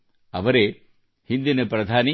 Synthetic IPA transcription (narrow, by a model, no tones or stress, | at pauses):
ɐ̰ʋɐɾeː | hind̪inɐpɾɐd̪ʱaːni